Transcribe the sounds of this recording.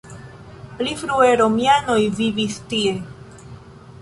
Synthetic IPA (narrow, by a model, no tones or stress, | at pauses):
plifɾueɾomjano̞jvivistie